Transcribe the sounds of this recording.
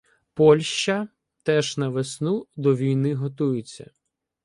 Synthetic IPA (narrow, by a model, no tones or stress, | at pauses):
pɔlʲʃt͡ʃɐ | t̪ɛʒnɐʋesnud̪ɔʋʲijnɪɦɔt̪ujʊt͡sʲːɐ̰